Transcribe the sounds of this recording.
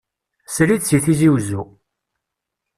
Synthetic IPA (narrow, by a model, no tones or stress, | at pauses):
slid̪t͡sːiθiziwzu